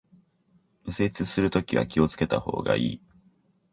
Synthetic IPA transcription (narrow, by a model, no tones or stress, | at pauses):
mɯ̟se̞t͡sɨsɨɾɯ̟t̪o̞kʲiβa̰kʲio̞t͡sɨ̥ke̞t̪aho̞̰ːɡa̰ʔiː